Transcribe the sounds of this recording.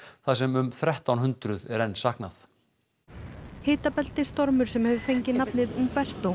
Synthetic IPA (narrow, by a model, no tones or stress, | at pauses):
θasɛmʏmθɾɛht̪awnɦʏnt̪ɾʏðɛɾɛnːsahknaθ | heːt̪apɛl̥t̪ɪ̥st̪ɔɾmʏɾ̥sɛmhœvʏfejɲcɪnapnɪðumpɛr̥t̪o